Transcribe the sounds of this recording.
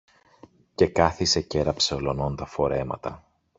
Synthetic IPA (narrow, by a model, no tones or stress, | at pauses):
ce̞kɐθise̞ce̞ɾɐpse̞olo̞no̞nt̪ɐfo̞ɾe̞mɐ̰t̪ɐ